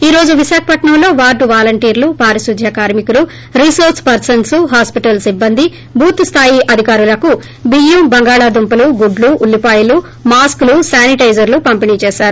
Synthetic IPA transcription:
iːɾo̞ːd͡ʒuʋiʃaːkʰɐpɐʈɳɐmlo̞ːʋaːɾɖuʋaːlɐɳʈiːɾlupaːɾisud̪ʱjakaːɾmikulu | ɾisoːɾspɐɾsɐnsuɦaːspiʈɐlsibːɐnd̪ʱi | bʱuːt̪ust̪ʰaːjiʔɐd̪ʱikaːɾulɐku | biːjuːbɐŋɡaːɭaːd̪umpɐluɡuɖluʔːlːipaːjɐlu | maːsklusaːniʈɐjd͡ʒɐɾlupɐmpiniːt͡ʃeːsaːɾu

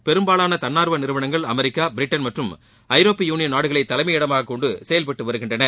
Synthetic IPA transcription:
pɛɾɯmbaːlaːnɐt̪ɐnːaːɾɯʋɐnɪɾɯʋɐɳɐŋɡɐɭɐmɛɾɪkːaːbɪɾɪʈːɐnmɐʈrɯm | ɐɪɾoːpːijuːnɪjɐnːaːɽɯɣɐɭɐɪt̪ːɐlɐmɐɪɽɐmaːɣɐkːɔɳɖɯsɛjɐlpɐʈːɯʋɐɾɯɣɪndrɐnɐ

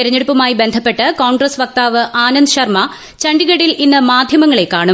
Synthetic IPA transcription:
iɾɐɲːeɽupːɐmaːjibe̞nd̪ʱɐpːe̞ʈːɨkoːɳɡɾɐsʋɐk̚t̪aːʋɨʔaːnɐnd̪ɨɕɐrmɐ | t͡ɕɐɳɖiɣɐɽilʔinːɐmaːd̪ʱjɐmɐŋːɐɭe̞kːaːɳu

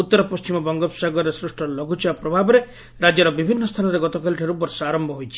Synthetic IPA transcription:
ut̪ːɔɾɔpɔst͡ʃimɔbɔŋɡɔpsaɡɔɾesɾusʈɔlɔɡʱut͡ʃʰibapɾɔbʱabɔɾe | ɾad͡ʒjɔɾɔbibʱinːɔst̪ʰanɔɾeɡɔt̪ɔkʰalʈʰaɾubɔɾsɔaɾɔmbʱɔɦojt͡ʃʰi̥

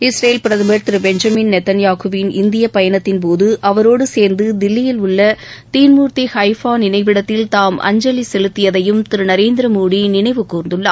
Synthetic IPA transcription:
ɪsɾɐjlpɪɾɐðɯmɐɾt̪ɪɾɯbɛɲd͡ʒɐminnɛt̪ːɐnjaːɣɯʋɪnɪnd̪ɪjɐpɐjɐnɐt̪ːɪnp̬oːðɯʔɐʋɐɾoːɽɯseːɾnd̪ɯd̪ɪlːɪjɪlʊɭːɐt̪iːnmuːɾt̪ihɐɪfaːnɪnɐɪʋɪɽɐt̪ːɪlt̪aːmʔɐ̰ɲd͡ʒɐlisɛlɯt̪ːɪjɐðɐjɯmt̪ɪɾɯnɐɾeːnd̪ɪɾɐmuːɽinɪnɐɪʋɯkːuːɾnd̪ɯɭːɐ̰

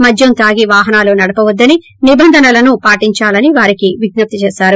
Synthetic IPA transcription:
mɐd͡ʒ̪ʱjɐmt̪aːɡiʋaːɦɐnaːloːnɐɽɐpɐʋɐd̪ːɐni | nibɐnd̪ʱɐnɐlɐnupaːʈiɲt͡ʃaːlɐniʋaːɾikiʋiɡnɐp̚t̪it͡ʃeːsaːɾu

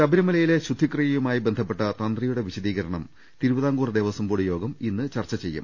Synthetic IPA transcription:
sɐbɐɾɐmɐlɐjile̞ɕud̪ʱikrijɐjumaːjibe̞nd̪ʱɐp̬ːe̞ʈːɐt̪ɐnd̪rijuɽe̞ʋiɕɐðiːɣɐɾɐɳɐm | t̪iɾubɐðaːŋɡuːrɐd̪eːʋɐsɐmboːɽujo̞ːɡɐminːɨt͡ɕɐrt͡ɕːɐt͡ɕejːṵm

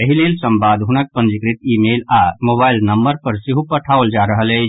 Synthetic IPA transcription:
əɦileːlsɐ̃mbaːd̪ɦʊnək̚pə̃nd͡ʒɪkɾɪt̪iːmeːlaːmoːbaːɪlnɐ̃mbəɾpɐɾsɪɦupɐʈʰaːold͡ʒaːɾəɦəlɦɛː

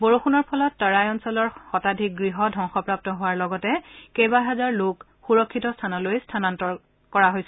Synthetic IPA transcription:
boɹuxunɔɹpʰɔlɔtːaɹajɔnsɔlɔɹxɔtadʱik̚ɡɹiɦɔdʱɔŋxɔpɹap̚tɔɦʊwaɹlɔɡɔtɛkejbaɦɛzaɹlok | xuɹɔkʰːitɔstʰanɔlojstʰanantɔ | kɔɹaɦojsɛ

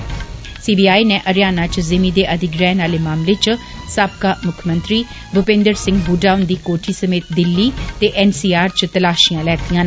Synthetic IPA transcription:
siːbiːaːiːnɛ̃ːʔəɾjaːnaːt͡ʃzɪmiːd̪eːʔəd̪ɪɡɾɛːnaːleːmaːmleːt͡ʃsaːb̚kaːmʊkʰmənt̪ɾiː | bʊpẽːnd̪əɾsɪ̃ŋɡbuːɖaːʊnd̪iːkoːʈʰiːsəmeːt̪̚d̪ɪlːiːt̪eːʔɛːnsiːaːɾt͡ʃt̪əlaːʃijãːlɛːt̪ijãː

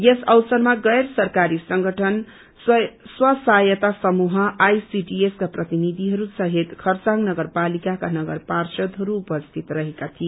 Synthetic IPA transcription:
jesʌwsʌrmaɡʌjrsʌrkaɾisʌŋɡʌʈʰʌn | swʌsajʌt̪asʌmuɦʌʔajsiɖieskaprʌt̪inid̪ʱiɦʌɾusʌɦet̪kʰʌrt͡saŋɡnʌɡʌrpalikakanʌɡʌrparsʌd̪ɦʌɾuːpʌst̪ʰit̪rʌɦekat̪ʰie

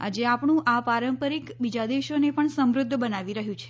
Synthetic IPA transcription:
a̰d͡ʒeapɳũʔapaɾəmpəɾikbid͡ʒad̪eʃonepəɳsəmɾʊd̪ʱːbənaʋiɾəɦjũt͡ʃʰe̥

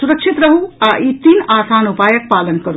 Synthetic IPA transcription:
suɾəkt͡ʃʰit̪ɾəɦuaʔit̪iːnaːsaːnupaːjək̚palənkəɾu

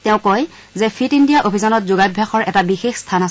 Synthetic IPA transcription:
tɛʊ̃koj | zɛpʰitindijaʔobʱizɔnɔtzuɡajbʱjaxɔɹɛtabixexstʰanas

